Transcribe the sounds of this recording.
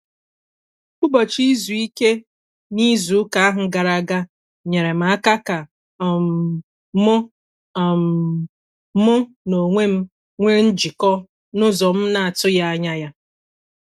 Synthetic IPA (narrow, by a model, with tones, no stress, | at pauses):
k͡pʊ˦bɔ˨t͡ʃi˦zu˨i˦ke˦ | ni˦zu˨˦ka˨a˦ɦʊ˨ɡa˨ɾa˨ɡa˦ | ɲe˨ɾe˨m̩˨a˦ka˦ka˨ | m˦ | mʊ˦˨ | m˨˦ | mʊ˦ | no˨ŋʷe˦m̩˦ | ŋʷe˦n̩˦d͡ʒi˨kɔ˦ | nʊ˦zɔ˨m̩˦na˨a˨tʊ˦ja˦a˦ɲa˦ja˦